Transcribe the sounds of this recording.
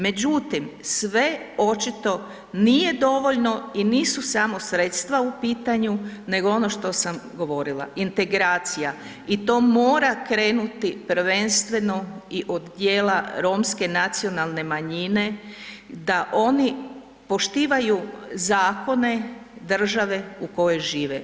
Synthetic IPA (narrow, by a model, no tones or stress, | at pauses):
me̞d͡ʑut̪imsʋe̞o̞t͡ʃit̪o̞ | nije̞d̪o̞ʋo̞ʎno̞iniːsusamo̞sɾe̞t̪st̪ʋaupiːt̪aɲune̞ɡoo̞no̞ʃt̪o̞samɡo̞ʋo̞ɾilˠa̰int̪e̞ɡɾaːt̪sija | it̪o̞ːmo̞ːɾakɾe̞ːnut̪ipɾ̩ʋe̞nst̪ʋe̞no̞iʔod̪d̪jeːlaɾo̞mske̞nat̪sio̞nalˠne̞maɲine̞ | d̪aʔo̞ni | po̞ʃt̪iːʋajuzaːko̞ne̞d̪r̩ʒaʋe̞uko̞jeʒiːʋe